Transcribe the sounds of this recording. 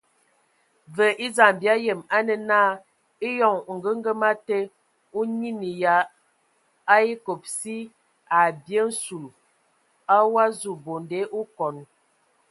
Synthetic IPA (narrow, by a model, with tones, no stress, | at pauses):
və˨ʔi˦za˨m˨bja˦jə˨ma˦nə˨na˦ | i˦jɔ˨ŋ˨ŋ̩˨ɡə˦ŋ̩˦ɡə˦ma˦te˦ | u˦ɲi˦ni˨ja˨˦ | i˦ko˨p̚si˦ | a˨bjə˦n̩˦su˨l | a˦wa˦zu˨bo˨nde˦ʔu˦kɔ˨n˨